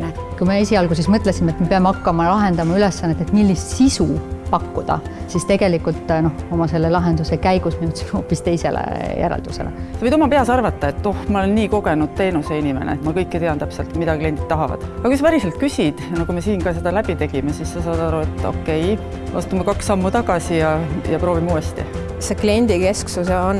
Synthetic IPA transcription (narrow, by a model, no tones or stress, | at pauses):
ne | kujmeesʲiɑlɡus̬esmɤt̪ˑlesimeet̪me̞peɑmeɑkːɑmɑlɑɦe̞nd̪ɑmɑylesːɑnːet̪ːˑet̪milːist̪sisupɑkːud̪̥ɑ̰ | sist̪e̞ɡ̥e̞likːult̪ːˑno̞homɑse̞lːe̞lɑɦe̞nd̪use̞kæjɡ̥usmiut̪si̥meo̞ːpːist̪e̞jse̞̰lḛjʔæ̰ɾɑ̰ld̪̥use̞̰lʔḛsɑvɤjd̪omɑpe̞ɑsɑrvɑt̪ːɑe̞t̪ːno̞hmɑolenːiːko̞ɡ̥e̞nud̪̥̚t̪e̞ːnuseinʲimenḛet̪mɑkɤjkːejt̪eɑnt̪æpselt̪mid̪ɑklie̞nʲd̪it̪t̪ːɑɦɑvɑ̰d̪̥ɑkujsɑvæɾiselt̪̚kysʲid̪̥ɑnɑkume̞siːnkɑːse̞d̪ɑlæb̥it̪e̞ɡ̥imesisːɑsɑːd̪ɑɾue̞t̪ːˑo̞̰kːe̞j | ɑ̰st̪umekɑksɑmːut̪ɑɡ̥ɑsijɑjɑpɾoːvimeuːest̪ḭ | seklienʲd̪̥ike̞sksuseon